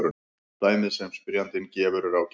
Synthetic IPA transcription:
ɾʏ | t̪aːjmɪðsɛmspɪɾjant̪ɪncɛːvʏɾʏɾawc

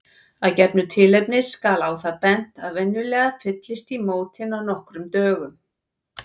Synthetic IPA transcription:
aðcɛpnʏt̪ʰɪlejp̚nɪskaːlawθaðpɛn̥t̪aðvɛnːʏlɛːɣafɪt̪lɪst̪imoːwt̪ʰɪnawnɔhkɾʏmt̪œːɣʏm

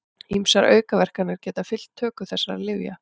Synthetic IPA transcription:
imsaɾʔœ̰ːɥkavɛr̥kanɪɾ̥cɛːt̪afɪl̥t̪ʰːœːkʏθɛsːaa̰lɪvja

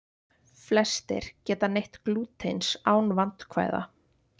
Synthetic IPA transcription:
flɛst̪ɪ̰ɾ̥cɛːt̪anejht̪kluːt̪ʰejnsaːwnvant̪kʰva̰ːjða̰

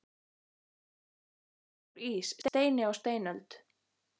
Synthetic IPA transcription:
ɾiːst̪t̪eːjnɪawst̪eːjnœlt̪

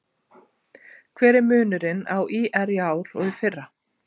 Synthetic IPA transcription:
kʰvɛːɾɪɾmʏːnʏɾɪna̰wʔiːʔɛɾiaːwɾɔ̰ɣifɪrːa

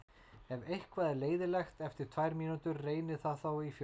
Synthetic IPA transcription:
ɛvejhkvaːðɪleːjðɪlɛxt̪ɛft̪ɪɾ̥t̪ʰvajɾmiːnut̪ʏɾreːjnɪθaðθawif

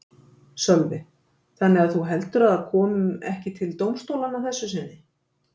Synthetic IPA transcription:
sœlvɪ | θanːɪɣaðθuɦɛlt̪ʏɾaðaɾkʰɔːmʏmɛhcɪt̪ʰɪlt̪owmst̪owlanaθɛsːʏs̬ɪnːɪ

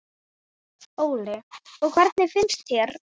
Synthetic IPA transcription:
oːwlɪɔɣkʰv̥ɛɾt̪nɪfɪnst̪çjɛɾ̥

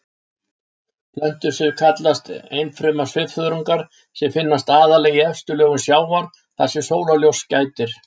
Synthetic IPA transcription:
plœn̥t̪ʏɾ̥sɪkʰat̪last̪ḛjnfɾʏmḁsvɪvfœðɾuŋkaɾ̥ | sɛmfɪnːast̪aːðalɛːɣɪɛfst̪ʏlœːɣʏnsjaːwaɾ̥ | θasɪ̥soːwlaljowscaːjt̪ɪɾ̥

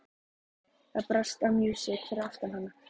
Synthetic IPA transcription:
θaðpɾast̪amjuːsɪt̪fɪɾaft̪anhanːa

